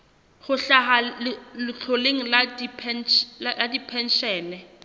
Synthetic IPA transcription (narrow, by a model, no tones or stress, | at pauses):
χʊɬaχalɪlɪt͡ɬʰoleŋ̩ladipʰɛnadipʰɛn̩ʃɛːnɛ